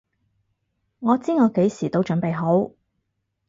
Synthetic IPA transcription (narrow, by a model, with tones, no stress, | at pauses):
ŋɔː˨˧t͡siː˥ŋɔː˨˧ke˨˥jsiː˨˩t̪o˧˥wt͡ʃɵ˨˥npe˨jɦo˨˥w